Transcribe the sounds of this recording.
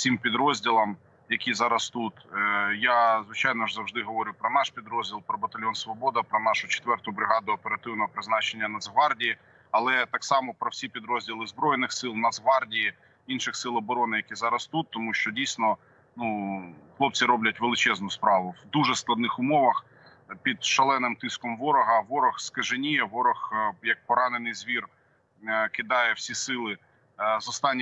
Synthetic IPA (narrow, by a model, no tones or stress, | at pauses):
sʲimpʲid̪ɾɔzʲdʲilˠɐm | jɐkʲizɑɾɐst̪ut̪jazʋɪt͡ʃɑjnɔʒzɐwʒd̪ɪɦɔʋɔɾʲʊpɾɔnɑʃpʲid̪ɾɔzʲdʲilˠpɾɔbɐt̪ɐlʲjɔnsʋɔbɔd̪ɐpɾɔnɑʃʊt͡ʃe̥t̪ʋɛrt̪ʊbɾɪɦɑd̪ʊɐpeɾɐt̪ɪwnɔɦɔpɾɪznɑt͡ʃenʲːɐnɐzɦʋɑrdʲiji | ɐlˠɛt̪ɑksɑmɔpɾɔwsʲipʲid̪ɾɔzʲdʲilˠɪzbɾɔjɪnɪxsɪlˠnɐzɦʋɑrdʲiji | inʃɪxsɪlˠɔbɔɾɔnɪjɐkʲizɑɾɐst̪ut̪ːɔmuʃt͡ʃɔdʲijsʲnɔ | nuxlˠɔp̚t͡sʲiɾɔblʲɐtʲʋelˠɪt͡ʃɛznʊspɾɑʋʊwd̪uʒɛsklˠɐd̪nɪxʊmɔʋɐx | pʲid̪ʃɐlˠɛnɪmt̪ɪskɔmʋɔɾɔɦɐʋɔɾɔxskɐʒɪnʲijɛʋɔɾɔxjɐk̚pɔɾɑnenɪjzʋʲir | kɪd̪ɑjɛwsʲisɪlˠɪ | zɔst̪ɑnʲː